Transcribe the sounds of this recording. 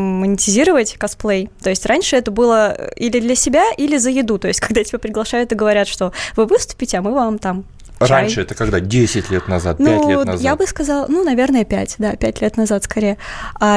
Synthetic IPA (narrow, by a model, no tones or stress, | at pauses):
mənʲɪtʲɪzʲiɾəvətʲkɐsplˠejt̪o̞jɪsʲtʲranʲʂɨɛt̪əbɨlˠə̰ilʲɪd̪lʲɐsʲɪbʲaʔilʲɪzəjɪd̪ut̪o̞jɪsʲtʲkɐɡd̪atʲɪbʲapɾʲɪɡlˠɐʂajʊt̪ɨɡəvɐɾʲat̪ʂt̪ovɨvɨst̪ʊ̥pʲɪtʲɪɐmɨvamt̪am | anʲʂɨɛt̪əkɐɡd̪adʲesʲɪtʲlʲet̪nɐza̰t̪̚nulʲenjabɨskɐzɑlˠnunɐvʲe̞rnəjəpʲæ̰tʲd̪apʲæt̚ʲlʲet̪nɐzat̪skɐɾʲejəa